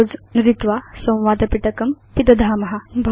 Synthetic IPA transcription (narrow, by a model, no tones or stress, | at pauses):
od͡znuɾit̪ʋasɐ̃w̃ʋad̪ɐpiʈɐkɐmpid̪ɐd̪ʱamɐɦabʱɐ